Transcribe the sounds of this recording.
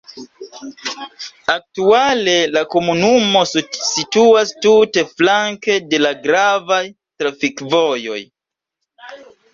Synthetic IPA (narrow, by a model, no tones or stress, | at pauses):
ak̚tuale̞lako̞munumo̞ssituastute̞flaŋke̞de̞laɡɾavaj | tɾafikvo̞jo̞̰j